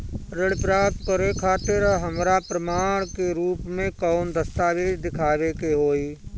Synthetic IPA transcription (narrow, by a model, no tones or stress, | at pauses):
ɾɪɽpɾaːp̚t̪kəɾekʰaːt̪ɪɾɦəmɾapɾəmaːɽ̃keɾuːpmẽkaʊnd̪əst̪aːʋeːd͡ʒd̪ɪkʰaːʋekeɦoːiː